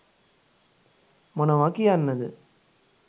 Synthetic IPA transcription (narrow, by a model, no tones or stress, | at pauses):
mɔnɐʋaːkɪjaːnːɐðɯ̰